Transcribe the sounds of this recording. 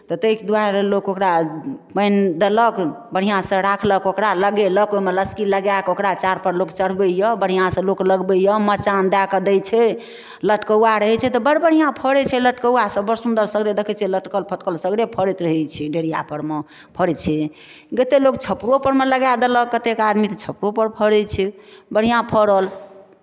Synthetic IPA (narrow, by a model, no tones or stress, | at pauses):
t̪ɔt̪əikd̪ualokokɾapənd̪ələk | bəɽ̤ijãsə̃ɾakʰləkokɾaləɡeləkomeləskiləɡakokɾat͡ʃaɾpəɾlokt͡ʃəɽ̤bəjəbəɽ̤ijãsə̃lokləɡbəjəmət͡ʃand̪akəd̪əjt͡ʃʰɛ | ləʈkəaɾəɦɛt͡ʃʰɛt̪ɔbəɽbəɽ̤ijãpʰəɽɛt͡ʃʰɛləʈkəwasə̃bəɾsund̪əɾsəɡɾed̪ekʰɛt͡ʃʰɛləʈkəlpʰəʈkəlsəɡɾepʰəɾɛt̪ɾəɦɛt͡ʃʰɛɖeɽ̤ija̰pəɾme | pʰəɽɛt͡ʃʰɛ | ɡet̪elok̚t͡ʃʰəpɾopəɾmeləɡad̪ələkkːət̪ekad̪mit̪t͡ʃʰəpɾopəɾpʰəɽɛt͡ʃʰɛbəɽ̤ijãpʰəɾəl